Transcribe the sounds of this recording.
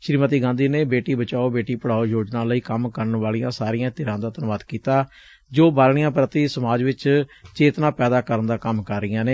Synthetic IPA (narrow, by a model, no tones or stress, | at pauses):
ʃɾiːmət̪iːɡãːnd̪iːneːbeːʈiːbət͡ʃaːoːbeːʈiːpəɽ̤aːoːjoːd͡ʒnãːləiːkəmkəɾənʋaːlijãːsaːɾijãːt̪ɪɾãːd̪aːt̪ənʊʋaːd̪kiːt̪aː | d͡ʒoːbaːlɳ̃ijãːpɾət̪iːsəmaːd͡ʒʋɪt͡ʃt͡ʃeːt̪nãːpɛːd̪aːkəɾənd̪aːkəmkəɾːɪjãːneː